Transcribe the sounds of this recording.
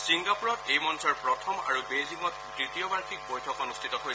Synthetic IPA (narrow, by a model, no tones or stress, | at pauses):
siŋɡapuɹɔtejmɔnsɔɹpɹɔtʰɔma̰ɹubeziŋɔt̚ | tɹitiɔbaɹxik̚bojtʰɔkɔnustʰitɔɦoj